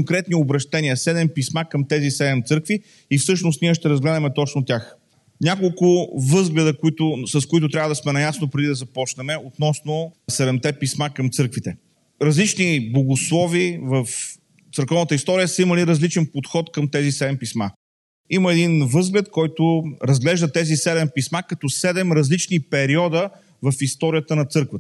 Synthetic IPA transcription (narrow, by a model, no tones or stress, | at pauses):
kʊŋkɾɛt̪niobɾɐʃt̪ɛnʲiəsɛd̪ɛmpismakəmt̪ɛzisɛd̪ɛmt̪sɤɾkvi | ifsɤʃnʊst̪niɛʃ̬t̪ɛɾɐzɡlɛd̪ɐmɛt̪ɔt͡ʃnʊt̪ʲax | nʲakolˠkʊvɤzɡlɛd̪əkoit̪ʊsəskʊit̪̬ʊt̪ɾʲavəd̪ɐsmɛnɐjasnopɾɛd̪id̪ɐzɐpɔt͡ʃnɛmɛot̪nɔsnʊsɛd̪ɛmt̪ɛpismakəmt̪sɤɾkvit̪ɛ | ɾɐzlit͡ʃniboɡʊslˠɔvivəf | t̪səɾkɔvnət̪əist̪ɔɾijəsəimɐliɾɐzlit͡ʃɛnpot̪xɔt̪kəmt̪ɛzisɛd̪ɛmpisma̰ | iməɛd̪invɤzɡlɛt̪kɔjt̪ʊɾɐzɡlɛʒd̪ət̪ɛzisɛd̪ɛmpismakɐt̪ɔsɛd̪ɛmɾɐzlit͡ʃnipɛɾiɔd̪ə | vɐfist̪ɔɾijət̪ənɐt̪sɤɾkvət̪ə